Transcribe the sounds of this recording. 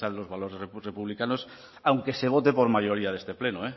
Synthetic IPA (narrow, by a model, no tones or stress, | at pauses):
aðlo̞zβaloɾerepuβ̞likanos | awŋke̞se̞β̞o̞t̪e̞po̞ɾmaʎo̞ɾiað̞e̞st̪e̞plenoe